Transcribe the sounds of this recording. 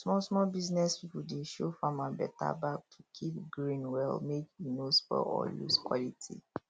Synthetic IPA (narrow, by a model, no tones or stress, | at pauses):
smɔsmɔbiznɛspipudeʃofamãnbɛtʰa̰bak̚tʰu̥kʰip̚ɡɹĩnwɛlmekjunosfɔ̰ɔjṵskwɔlitʰḭ